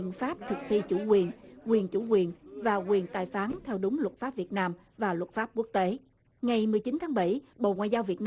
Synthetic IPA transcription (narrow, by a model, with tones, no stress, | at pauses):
ənfaː˦˥p̚t̪ʰɨ˨˩k̚t̪ʰi˧t͡ɕu˧˩kwi˨˩ənkwi˨˩ənt͡ɕu˧˩kwi˨˩ənvaː˨˩kwi˨˩ənt̪a̰ː˧˨˩jfaː˨˦nt̪ʰɛ˧wɗʊ˨˦ŋ͡mlwə˨˩t̚faː˦˥p̚vi˨˩ət̚naː˧m | vaː˨˩lwə˨˩t̚faː˦˥p̚ku˦˥ək̚t̪e˨˦ | ŋa˨˩jmɨ˨˩əjt͡ɕi˨˦nt̪ʰaː˨˦ŋɓa˧˩jɓo̰˧˨ŋwa̰ː˧˨jzaː˧wvi˨˩ət̚n